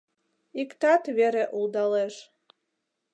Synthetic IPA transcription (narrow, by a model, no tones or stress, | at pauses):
ikt̪ɑt̪βeɾeʔulˠd̪ɑleʃ